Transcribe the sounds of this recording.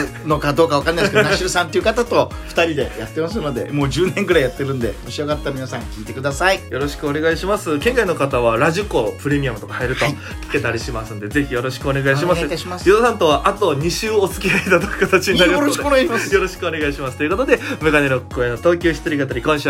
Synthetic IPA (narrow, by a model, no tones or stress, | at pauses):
nokad̪o̞ːkaβakanaiskenaɕiɾɯsãnt̪e̞iɯ̟kat̪at̪o̞ɸɯ̟̥t̪aɾʲid̪e̞̰jat̪ːe̞masɨno̞d̪e̞̰mo̞ːd͡ʑɨːnẽŋɡɯɾaijat̪ːe̞ɾɯ̟̃nd̪e̞̰moɕio̞ɡat̪ːaɾmʲinasãŋkʲiːt̪e̞kɯ̟d̪asaijo̞ɾo̞ɕi̥kɯo̞ne̞ɡaiɕimasɨkẽ̞ŋkaino̞kat̪aβaɾaʑiko̞pɯ̟ɾe̞mʲiamɯ̟t̪o̞kahaiɾɯ̟t̪o̞ | kʲi̥ke̞t̪aɾʲiɕimasɨ̃nd̪e̞ze̞çʲijo̞ɾo̞ɕi̥kɯ̟o̞ne̞ɡaiɕimasɕimasjod̪osãnt̪o̞βaʔat̪o̞ɲ̟iɕɨːot͡sɨ̥kʲiait̪ad̪akɯ̥kat̪at͡ɕiɲinaɾod̪oemasjo̞ɾo̞ɕi̥kɯo̞ne̞ɡaiɕimasɨ̥t̪o̞iɯ̟ko̞t̪o̞d̪e̞mɯ̟ɡaneɾokkoenːot̪o̞ːkʲoːɕi̥t̪oɾikat̪aɾʲikõɕ